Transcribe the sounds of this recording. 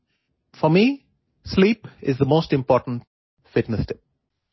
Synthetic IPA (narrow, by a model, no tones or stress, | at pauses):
fɔmiː | sliːpɪzðəmoːsʈɪ̃mpɔːʈə̃n̩ʈ | fɪʈnəstʰɪp̚